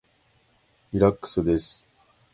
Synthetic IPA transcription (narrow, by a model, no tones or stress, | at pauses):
iɾakːɯ̥sɨd̪e̞sɨ̥